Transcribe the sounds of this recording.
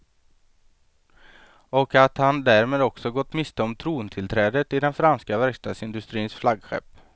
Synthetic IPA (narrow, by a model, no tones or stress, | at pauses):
ɔkat̪hand̪æɾmeːd̪ɔksɔɡɔt̪ːmɪst̪ʰɔmt̪ʰɾuːnt̪ʰɪlt̪ʰɾɛːd̪ət̪ɪd̪ɛnfɾanskavæɾkst̪ɑːd̪sɪnd̪ɵst̪ɾiːnsflaɡɧɛ̰pː